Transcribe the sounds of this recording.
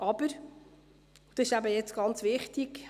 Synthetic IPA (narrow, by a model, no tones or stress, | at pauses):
ʔɑb̥əɾ | ud̥ʃæbəjɛt͡sɡ̥ɑnt͡sʋɪχt̪iɡ